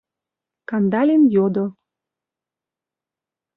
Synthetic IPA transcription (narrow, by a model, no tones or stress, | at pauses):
kɑnd̪ɑlʲenjod̪o